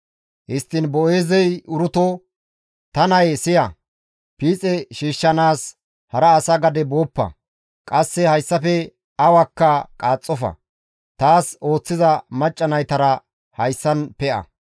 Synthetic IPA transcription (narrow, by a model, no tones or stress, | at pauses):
hɪst̪ːɪnbɔeːzɛjʊɾʊt̪ɔ | t̪ɐnɐjsɪjɐ | piːt͡sʼɛʃiːʃːɐnaːs | hɐɾɐːsɐɡɐd̪ɛbo̞ːpːɐ̰ | kʼɐsːɛhɐjsːɐfɛ | ɐwɐkːɐkʼaːt͡sʼːɔfɐ̰ | t̪aːso̞ːt͡sːɪzɐmɐt͡ʃʼːɐnɐjt̪ɐɾɐ | hɐjsːɐnpɛʔɐ̰